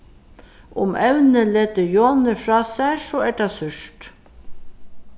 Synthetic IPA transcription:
ʊ̰mɛwnəleːt̪əjonəfɾɑːsæsɔːɛʈasʏʂt̪

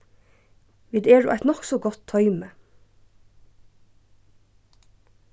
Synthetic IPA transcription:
ʋiːd̪ɛːɹṵʔa̰jt̪nɔhksɔɡɔt̪ʰːœʏmə

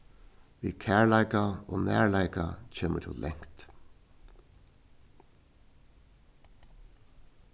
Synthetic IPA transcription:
ʋiːkʰæːɹlaɪkao̰ːnæ̰ːɹlaɪkat͡ʃʰeːmə̰t̪ʰɪ̰llʔɛŋ̥kt̪

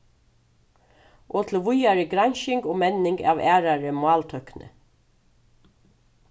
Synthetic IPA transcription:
ʔoːt̪ʰlʋʊjaɹəɡɾaɲʃɪŋɡoːmɛnɪŋɡa̰ːʋæːɾaɹəmʊɑːlt̪ʰœhknə̰

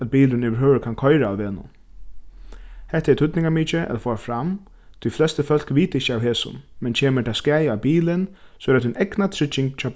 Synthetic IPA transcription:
at̪̚biːlɪnɪʋɪɾɦøːʋɾəkʰankʰɔɪɾaaʋeːnʊ̰n | hɛht̪ɛt̪ʰʏt̪nɪŋkamiːt͡ʃɪʔɛ̰t̪afɔːafɾam | t̪ʰiflɛst̪əfœl̥kʋiːt̪ɪçːəawɦeːsʊ̰nmɛnt͡ʃʰeːməʈʰaːskaːjawbiːlɪnsɔɛɾat̪ʰːɪnɛknat̪ʰɾɪt͡ʃːɪŋkt͡ʃʰaːp

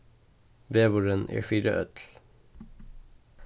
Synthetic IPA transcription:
ʋeːʋʊɹənʔḛːfiːɾə̰ʔœ̰t̪ʰl̩

